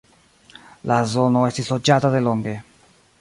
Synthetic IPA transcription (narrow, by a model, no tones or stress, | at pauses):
lʔazɔnoɛst̪isod͡ʒaːt̪aðelɔŋɡe